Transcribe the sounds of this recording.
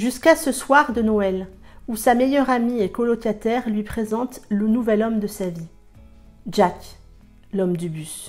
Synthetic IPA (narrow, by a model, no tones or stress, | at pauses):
ʒyskasəswaʁd̪ənɔɛl | usamejœʁamiekɔlɔkat̪ɛʁlɥipχezɑ̃t̪lənuvɛlɔmd̪əsavi | ʒ̥ak | lɔmd̪ybys